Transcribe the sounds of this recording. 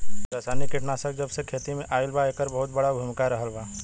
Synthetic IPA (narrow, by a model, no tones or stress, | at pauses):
ɾaːsaːnikɪʈnaːsək̚d͡ʒɐbsekʰeːt̪imẽʔaːɪlbaeːkəɾbɐɦʊt̪̚bɐɽabʱʊmkaɾɐɦəlbaː